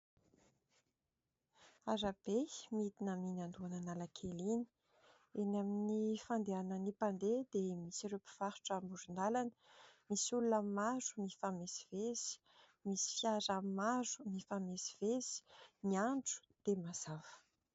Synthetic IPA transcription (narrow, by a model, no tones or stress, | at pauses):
aɾab̥emit̪inaminand̪uananalakʰelini̥ | enaminifand̪eanənipand̪ed̪emisirepi̥v̥aɾu̥ʈ͡ʂambuɾund̪alanəmisulunammazu̥mifamesi̥vez̥i̥ | misi̥fjaɾammazu̥mifamesi̥vezi̥niaɳɖ͡ʐu̥d̪̥emaz̥avə̥